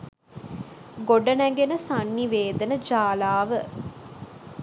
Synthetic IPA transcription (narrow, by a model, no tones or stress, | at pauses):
ɡoɖənæɡenəsanːiʋeːd̪ənəd͡ʒaːlaːʋə